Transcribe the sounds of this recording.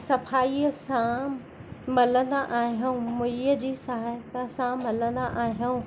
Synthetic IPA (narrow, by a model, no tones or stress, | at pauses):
sɐfaːiəsã | mɐlə̃nd̪aʔaːɦijuũmʊiəd͡ʑiːsaːɦet̪əsãmɐlə̃n̆d̪aʔaːɦjuũ